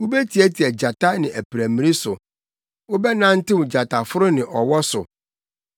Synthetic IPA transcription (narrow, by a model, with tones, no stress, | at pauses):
wu˦be˦tʰi˨æ˦tʰi˨ɛ˨d͡ʑa˨tʰa˦nɪ̃˨ʔæ˨pʰi˨ɾæ˨mĩ˨i˦sʊ˨ | wʊ˦bɛ˦nã˦n̩˦tɪ˦wʊ̃˨d͡ʑa˨tʰa˨fʊ˦ɾʊ˦nɪ̃˨ʔɔ˨wɔ˦sʊ˨